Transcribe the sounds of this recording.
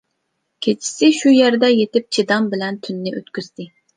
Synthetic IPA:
kʲʰet͡ʃʰi̥sɪʃujæɾd̪ɛjet̪ɪp̚t͡ʃʰid̪ɑmbɪlɛnt̪ʰynːɪʔøt̪kʲyz̥d̪ɪ

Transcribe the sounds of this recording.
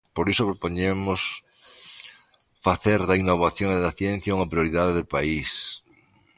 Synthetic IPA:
poɾisopɾopoɲemʊs | faθeɾðɐinːoβ̞aθjoŋðɐθjen̟θjauŋɐpɾjoɾiðaðɪðɪpais

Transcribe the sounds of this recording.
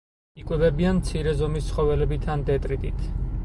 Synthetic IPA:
ikʼwɛvɛbianmt̪sʰiɾɛzɔmist̪sχɔvɛlɛbit̪ʰand̪ɛt̪ʼɾit̪ʼit̪ʰ

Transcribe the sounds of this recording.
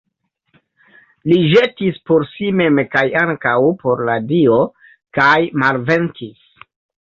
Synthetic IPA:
liʒe̞tispo̞ɾsime̞mkajaŋkawpo̞ɾladio̞ | kajmalve̞ntis

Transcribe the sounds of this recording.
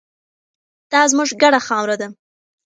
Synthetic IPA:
d̪̥ɑzmuʐɡaɽaxɑmɾad̪a

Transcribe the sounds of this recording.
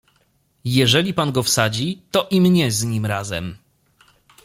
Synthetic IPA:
jɛʐɛlʲipanɡɔfsad͡ʑit̪ɔʔimɲɛzɲimɾazɛ̰m

